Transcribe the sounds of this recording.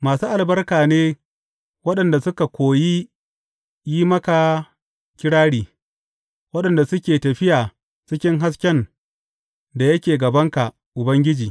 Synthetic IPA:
maː˨suː˦ʔa˨lbɐ˦rkaː˨neː˦ | wɐ˦ɗɐ˨nda˨sʊ˦ka˨kʷoː˨ji˦ | jiː˦mɐ˦ka˨ | kʲɪ˦ɽaː˦ɽiː˨ | wɐ˦ɗɐ˨nda˨sʊ˦kʲeː˨tɐ˨ɸɪ˦jaː˨ | t͡ʃɪ˦kʲɪ˦ŋɦa˦s̬kʲɛ˦n | da˨jɐ˦kʲeː˨ɡɐ˨bɐ˦ŋka˨ | ʔʊ˨bɐ˦ŋɡʲɪ˦d͡ʒiː˨

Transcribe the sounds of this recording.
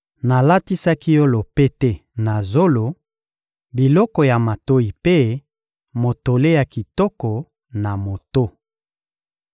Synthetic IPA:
na˨la˦ti˦sa˦ki˦jo˦lo˨pe˦tɛ˦na˨zo˦lo˨ | bi˨lɔ˦kɔ˨ja˨ma˨to˦i˨pe˦ | mo˨to˨le˦ja˨ki˨tɔ˦kɔ˨ | na˨mo˨to˦

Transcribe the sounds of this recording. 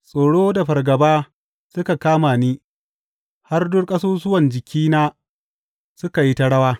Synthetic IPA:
sʼoː˨ɽoː˦da˨ɸɐ˨rɡɐ˨baː˦ | sʊ˦ka˨kaː˦maː˨niː˦ | ha˦rdʊ˦rkʼɐ˦soː˦sʊ˦wɐ˨nd͡ʒɪ˨kʲʰiː˦naː˦ | sʊ˦ka˨ji˦ta˦ɽɐ˦waː˦

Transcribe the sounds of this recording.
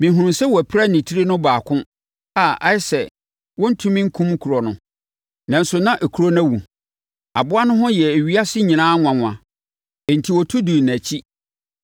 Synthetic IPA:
mĩ˨ɦũ˨sɛ˦wɔ˨æ˨pʰɾa˦nĩ˨tʰi˦ɾi˦nʊ̃˦baː˨kʰʊ̃˦ | a˦ʔa˦ɪ˦sɛ˨ | wɔ̃˦n̩˦tʰũ˦mĩ˦ŋ̩˦kʰũ˦m˦kʰu˨ɾɔ˨nʊ̃˨ | nã˨n̩˦sʊ˨nã˦ʔæ˨kʰu˨ɾo˦nã˦wũ˨ | a̰˨bʊ˦a˦nʊ̃˦ɦʊ̃˦jɛ˨æ˨ɥi˦a˦sɪ˦ɲĩ˨nãː˦ŋʷ˨ã˨ŋʷ˨ã̰˨ | n̩˨tʰi˨wɔ˨tʰu˦du˨n˨æ˨t͡ɕʰi˦

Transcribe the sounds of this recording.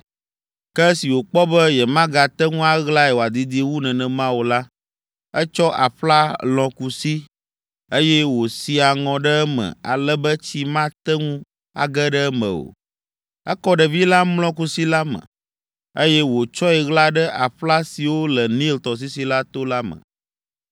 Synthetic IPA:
kɛ˦si˨wo˨k͡pɔ˦bə˦jɛ˨mã˦ɡa˨t̪ɛ˦ŋũ˦a˦ɣla˦ɛ˨wo˨a˨d̪i˨d̪i˦wu˦nɛ̃˨nɛ̃˨mã˦wu˨la˦ | ɛ˦t͡ʃɔ˦ʔa̰˨ɸla˦lɔ̃˨ku˨si˦ | e˦jɛ˦wo˨si˨a˨ŋɔ̃˨ɖə˦mə̰̃˨a̰˨lɛ˦bə˦t͡ɕi˦mã˦t̪ɛ˦ŋũ˦ | a̰˨ɡə˦ɖə˦mə̰̃˨o̰˨ | ə˦kɔ˦ɖə˨vi˦la˦mlɔ̃˦ku˦si˦la˦mə̰̃˨ | ə˦jɛ˦wo˨t͡ʃɔ˦ɛ˨ɣla˦ɖə˦ʔa˨ɸla˦si˨wo˦lə˨nĩ˦lt̪ɔ˨s̬i˦si˨la˦t̪o˦la˦mə̰̃˨

